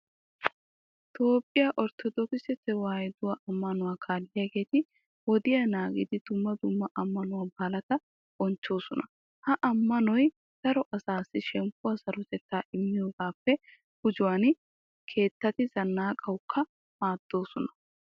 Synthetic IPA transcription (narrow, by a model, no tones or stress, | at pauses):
t̪ʰo̞ːpʼːɪjaʔɔɾt̪ʰɔd̪ɔkɪsɛt̪ːɛwaːjɛd̪ʊwaʔɐmːɐnʊwaːkʰaːlːɪjɐɡe̞ːt̪ɪ | wɔd̪ɪjɐnaːɡɪd̪ɪd̪̥ʊmːɐd̪ʊmːɐʔɐmːɐnʊwɐbɐlɐt̪ɐ | bɔnt͡ʃːo̞ːsɔnɐ | hɐʔɐmːɐnɔj | sɐɾɔʔɐsaːsɪʃɛmpːʊwɐsɐɾʊt̪ɛt̪ːaːʔɪmːɪjoːɡaːpːɛ | hʊd͡ʒʊwan | kʰe̞ːt̪ːɐt̪ɪzɐnːaːkʼɐwʊkʰːɐ | maːd̪̥ːo̞ːsɔnɐ̥